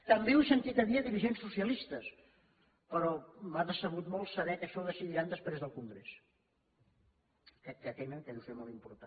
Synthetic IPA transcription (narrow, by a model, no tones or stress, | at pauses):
t̪əmbewsənt̪it̪əβiəðiɾiʒensːusiəlist̪əs | pəɾɔmaðəsəβ̞ut̪mɔlˠsəβɛkəʃɔðəsiðiɾand̪əspɾezðəlˠkuŋɡɾes | kɾɛkːəkɛjnənt̪əðusiomɔlˠt̪impuɾt̪a